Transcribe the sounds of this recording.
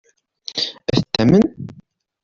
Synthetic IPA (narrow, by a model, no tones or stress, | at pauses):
æθət̪ːæmən